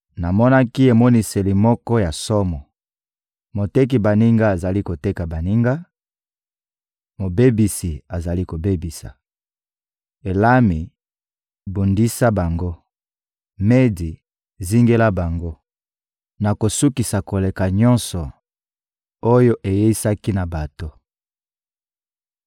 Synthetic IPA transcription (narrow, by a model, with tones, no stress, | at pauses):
na˨mɔ˦na˦ki˦e˨mɔ˦ni˨se˨li˨mɔ˦kɔ˦ja˨sɔ˦mɔ˨ | mo˨te˦k̬i˨ba˨ni˦ŋɡa˦a˨za˨li˦ko˨te˦ka˨ba˨ni˦ŋɡa˦ | mo˨be˦bi˨si˨a˨za˨li˦ko˨be˦bi˨sa̰˨ | e˨la˦mi˨ | bu˨ndi˦sa˦ba˨ŋɡo˦ | me˦di˨ | zi˦ŋɡe˦la˦ba˨ŋɡo˦ | na˨ko˨su˦ki˨sa˨ko˨le˨ka˨ɲɔ̃˦nsɔ˨ | o˦jo˦ʔe˨je˦i˦sa˦ki˦na˨ba˨to˦